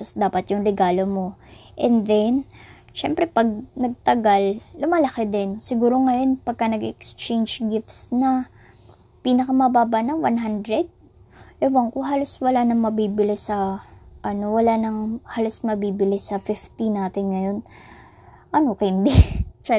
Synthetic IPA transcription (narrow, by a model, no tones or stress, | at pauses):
ɐsd̪aːpɐt̪jʊŋɾɛɡaːlomo̞ʔɛnd̪ɛn | ʃɛmpɾɛpɐɡ̚nɐɡ̚t̪ɐɡalːʊmalɐkɪd̪ɛnsɪɡuːɾo̞ŋɐjo̞npɐɡ̚kɐnɐɡɛkst͡ʃɛnd͡ʒɡɪft̪snɐ | piːnɐkɐmɐbaːbanɐŋwanɦand̪ɾɛd̪̚ | lɐwɐŋkʊɦaːloswɐlanɐŋmɐbiːbɪlɪsɐʔɐno̞wɐlanɐŋhalosmɐbiːbɪlɪsɐfɪft̪ɪnaːt̪ɪnŋɐjo̞n | ʔɐnokɐɪnd̪ɪt͡ʃɛ